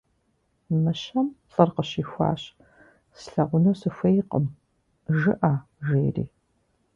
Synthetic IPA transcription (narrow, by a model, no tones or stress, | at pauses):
mɨɕɐmɬʼɐrqəɕiːxʷɑ̰ːɕ | sɬɐʁʷʊnoːsɨfʷɐjqəm | ʒɨʔaː | ʒeːrḭː